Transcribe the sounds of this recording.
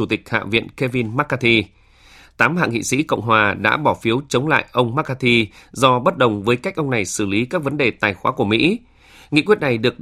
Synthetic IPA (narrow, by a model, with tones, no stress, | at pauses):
u˧˩t̪ï˨˩k̟̚ha̰ː˧˨vḭ˧˨ənke˧vi˧nmaː˦˥t̚kaː˧t̪ʰi˧ | t̪aː˨˦mha̰ː˧˨ŋḭ˧˨sḭ˧˥kə̰˧˨wŋ͡mɦwaː˨˩ɗa̰ː˧˥ɓɔ˧˩fi˨˦əwt͡ɕə˨˦wŋ͡mla̰ː˧˨jʔə˧wŋ͡mmaː˦˥k̚kaː˧t̪ʰi˧zɔ˧ɓə˦˥t̚ɗə˨˩wŋ͡mvəː˨˦jka˦˥jk̟̚ʔə˧wŋ͡mna˨˩jsɨ˧˩li˨˦kaː˦˥k̚və˨˦nɗe˨˩t̪aː˨˩jxwaː˨˦ku˧˩əmḭ˧˥ | ŋḭ˧˨kwət̚na˨˩jɗɨ˨˩ək̚